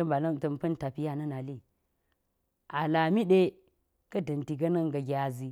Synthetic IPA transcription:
ɐ˦ba˨lɐ˦˨tɐ˨mpɐ˦n˦ta˨pi˦ja˦˨nɐ˦na˨li˦˨ | ʔa˨la˨mi˦ɗe˦ | kɐ˦dɐ˨nti˨ɡɐ˦nɐ˦ŋɡɐ˨ɡʲa˨zi˦

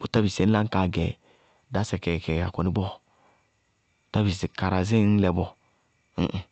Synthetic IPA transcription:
u˨ta˦bi˨sɛ˨˦n˦la˦ka˨ɡɛ˨ | da˨˦sɛ˨kɛ˨kɛ˨a˨kɔ˨ni˦bɔ˦˨ | ta˦bi˨si˨ka˨ɾa˨zi˦n˦lɛ˨bɔ˦˨

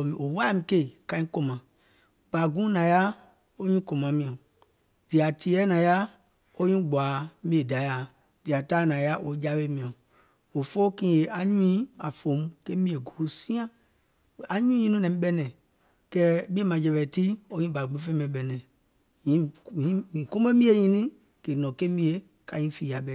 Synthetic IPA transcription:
o˨wa˦mĩ˨˦ke˦˨kã˧˦ĩ˦kõ˧mã˨ | b̥a˨ɡũ˦nã˨˦ja˦ | o˦ɲĩ˦kõ˨mã˨˦mĩ˧˨ã˨ | d̥i˨a˨tʰi˨ɛ˦nã˨˦ja˦ | o˦ɲĩ˦ɡ͡ba˨˦mĩ˦e˨da˨˦ja˨ | d̥i˨a˨taː˦nã˨ja˦ʔo˨˦d͡ʒa˦we˦mĩ˨ã˨ | o˨fo˦kĩː˦je˨ʔa˨ɲũ˦ĩ˦a˨fo˨˦m˦ke˦mĩ˦e˨ɡo˨˦sĩ˦ã˦˨ | a˨ɲũ˦ĩ˦nũ˦nɛ̃˨˦ɓɛ˦nɛ̃˨ | kɛ˦bĩ˦e˦mã˨d͡ʒɛ˨βɛ˨ti˦o˦ɲĩ˦ba˨ɡ͡be˦fe˦mɛ̃˨˦ɓɛ˨nɛ̃˨ | jĩ˨˦ĩ˦mĩ˨kõ˦me˦mĩ˦e˦˨ɲĩ˦nĩ˦ | ke˨nɔ̃˨ke˦mĩ˦e˨ | ka˨ɲĩ˦fiː˨ja˨bɛ˨

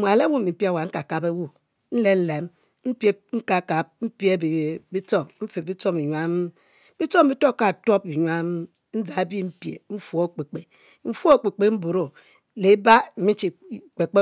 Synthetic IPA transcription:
mʷ˨a˨le˦wu˦˨mi˨m̩˦pi˦a˨wa˨ŋ̩˦ka˨ka˨pe˦wu˦ | n̩˦le˦n̩˦le˨m | m̩˦pje˦ŋ̩˦ka˨ka˨p̚m̩˦pje˦bi˨bi˦t͡so˦m̩˦fe˨bi˦t͡so˦mi˨ɲʷa˦m˦ | bi˦t͡so˦m˦bi˦to˦ka˦˨to˦pi˨ɲwa˦m˦ | n̩˦d͡za˨˦bi˦m̩˦pjḛ˨ɱ̩˦fo˨˦˨k͡pe˨k͡pe˨ | ɱ̩˦fo˦˨k͡pe˨k͡pe˨m̩˦bu˨ɾo˨ | le˨˦ba˦m̩˨mi˦t͡ʃi˨k͡pe˨k͡pe˦

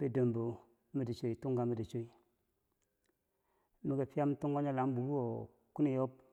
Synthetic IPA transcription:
pe˦də˨mbo˨ | mi˦di˨t͡ʃo˨i˨tu˦ŋɡa˨mi˨di˨t͡ʃo˦i˨ | mi˨ɡe˨pi˦a˦m˦tu˦ŋɡo˦ɲa˦la˨˦m˦bu˨ɾu˦o˨ | ku˦ni˦˨jo˦p̚

